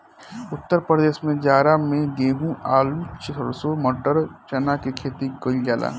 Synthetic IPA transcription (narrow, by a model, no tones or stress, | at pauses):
ʊt̪ːəɾpɾəd̪eːsmẽd͡ʒaːɾamẽɡeːɦũʔaːlut͡ʃɪəɾsomɔʈəɾt͡ʃɐnakekʰeːt̪ikoɪljaːla̰ː